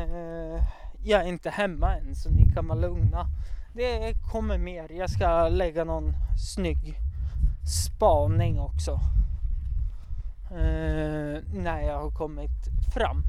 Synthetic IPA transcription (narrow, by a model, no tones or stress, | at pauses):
jɑːɡæɾɪnt̪əhɛmːaɛnsɔnɪkʰanmalɵŋnad̪ɛkʰɔmːəɾmeːɾjɑɡskalɛɡːanɔnsnʏɡː | spɑːnɪŋɔksɔ | næɪjɑːɡhaɾkʰɔmːɪt̪fɾa̰mː